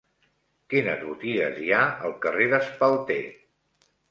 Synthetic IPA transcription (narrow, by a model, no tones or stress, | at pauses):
kinəzβut̪iɣə̰zjaəlˠkəreðəspəlˠt̪e